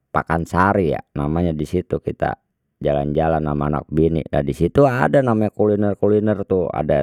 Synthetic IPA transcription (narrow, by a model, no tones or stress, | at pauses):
pakansaɾija̰namaɲadisit̪ukit̪a̰ | d͡ʒala̰nd͡ʒalanːamaːna̰k̚binḭdadisit̪uadanamaɲakulinɛrkulinɛrt̪ua̰da